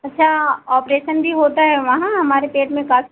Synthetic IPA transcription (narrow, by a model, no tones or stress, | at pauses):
ɐtːʃʰaɔːpɾeːʃənbʱiɦoːt̪aɦɛʋɐɦãɦɐmaːɾepeːʈmẽkaːf